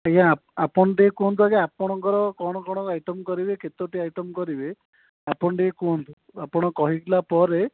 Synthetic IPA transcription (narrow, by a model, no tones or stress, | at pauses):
ejãapɔnʈiekund̪akeapɔɽ̃ɔŋkɔɾɔkɔɽ̃ɔkɔɽ̃ɔkajʈɔmkɔɾibeket̪oʈiajʈɔmkɔɾibe | apɔnɔʈiekunt̪u | apɔɽ̃ɔkɔɦikilapɔɾe